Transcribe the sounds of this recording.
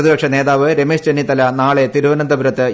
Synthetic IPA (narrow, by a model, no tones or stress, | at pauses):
ðibɐkʂɐneːðaːʋɨɾemeːʂt͡ɕenːit̪ɐlɐnaːɭe̞t̪iɾuʋɐnɐnd̪ɐbuɾɐt̪ːɨ